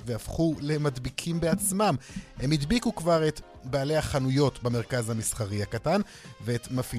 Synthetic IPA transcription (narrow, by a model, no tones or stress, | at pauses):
vehafχule̞madbikʰimbe̞at͡smamhemidbikukvaʁe̞t | baːle̞haχanujo̞tbame̞ʁ̞kazhamisχaʁiakatan | veetmafi